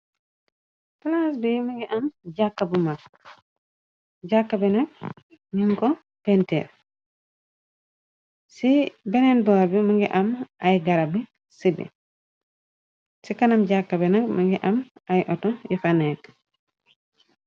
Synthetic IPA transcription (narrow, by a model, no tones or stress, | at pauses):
plas̬bɛjmuŋɡɛʔamd͡ʒakːabumak | d͡ʒakːabɛnaɡ̚ | niŋkɔ | pɛntɛ̰ɾ | sibɛnɛnbɔɾbɛmuŋɡɛʔamʔajɡaɾabɛ | sibɛ̰ | sikanamd͡ʒakːabɛnaɡmaŋɡɛʔamajʔɔtɔjɔfanɛk